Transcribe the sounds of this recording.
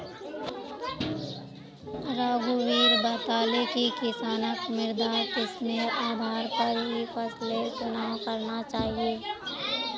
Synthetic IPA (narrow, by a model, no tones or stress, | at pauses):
ɾaːɡuwiːɾbət̪aːlekikɪsaːnəkmɪɾd̪ʱat̪ɪsmẽʔaːb̪ʱaːɾpəɾɦipʰəslet͡ʃʊnaːwkəɾnat͡ʃaːɦieː